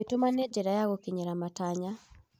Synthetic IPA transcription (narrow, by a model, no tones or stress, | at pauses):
etomaneːd͡ʒeɾajaɣokiɲɛɾamataɲa